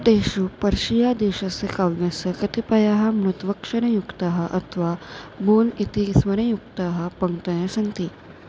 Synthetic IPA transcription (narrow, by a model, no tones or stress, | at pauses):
t̪eʃupəɾʂijad̪eɕasekaʋʋjasəkɐt̪ipɐjaɦɐmɾut̪ʋɐkʂɐɾɐjukt̪aɦəʔɐt̪ʰʋabonit̪isʋɐɾɐjuk̚t̪aɦɐpəŋt̪ɐjasɐnt̪iː